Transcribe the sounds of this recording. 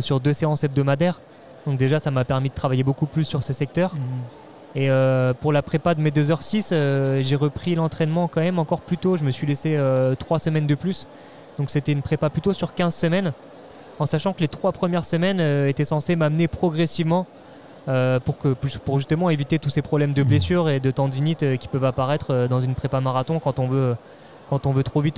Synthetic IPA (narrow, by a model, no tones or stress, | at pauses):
syʁd̪øseɑ̃sɛb̚d̪ɔmad̪ɛʁ | d̪̥ɔ̃k̚d̪eʒasamapɛʁmid̪ət̪χavajebokuplysːyʁsəsɛk̚t̪œʁ | eøpuʁlapχepad̪əmed̪øzœʁsisøʒeʁəpχilɑ̃t̪χɛnmɑ̃kɑ̃mɛmɑ̃kɔʁplyt̪oʒəməsɥileseøt̪χwasəmɛnd̪əplys | d̪̥ɔ̃kset̪ɛynpχepaplyt̪osyʁkʲɛ̃zsəmɛn | ɑ̃saʃɑ̃kəlet̪χwapχəmjɛʁsəmɛnøet̪ɛsɑ̃semamnepχɔɡʁesivmɑ̃ | øpuʁkəpyspuʁʒyst̪əmɑ̃evit̪et̪usepχɔblɛmd̪əblesyʁed̪ət̪ɑ̃d̪init̪økʲi̥pœvapaʁɛt̪χød̪ɑ̃zynpχepamaʁat̪ɔ̃kɑ̃t̪ɔ̃vø | kɑ̃t̪ɔ̃vøt̪χovit̪